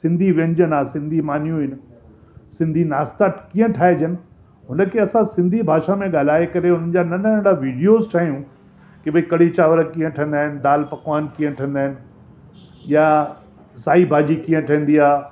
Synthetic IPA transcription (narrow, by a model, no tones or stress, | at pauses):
sɪ̃nd̪ʱiʋẽnd͡ʑənaːsɪ̃nd̪ʱimaːn̤ijũɦɪnɪ̆ | sɪ̃nd̪ʱinaːst̪akĩːə̃ʈʰaːed͡ʑənɪ̆ | ɦʊnəkʰeɐsãsɪ̃nd̪ʱibʱaːʃamẽɠaːl̤aːekɐɾeɦʊnənd͡ʑanɐnənə̃ɳɽaʋiːɖijozʈʰaːɦijũ | kibɐikɐɽ̤it͡ɕaːʋəɾəkĩːə̃ʈʰə̃nd̪aːɦɪnɪd̪aːlpɐkwaːnkĩːə̃ʈʰə̃nd̪aːɦɪnɪ̆ | ja | saːibʱaːd͡ʑikĩːə̃ʈʰɐĩːn̆d̪iaː